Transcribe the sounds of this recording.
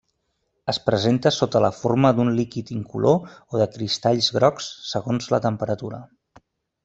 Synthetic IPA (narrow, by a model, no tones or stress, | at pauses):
əspɾəzent̪əsot̪ələforməd̪unlikit̪iŋkulʔooðəkɾist̪aʎzɣɾɔksːəɣonzlət̪əmpəɾət̪uɾə